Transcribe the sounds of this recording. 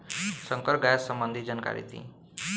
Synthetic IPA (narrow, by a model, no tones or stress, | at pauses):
sʌŋkʌɾɡajasʌmbʌnd̪ʱid͡zʌnka̰ɾḭt̪ḭ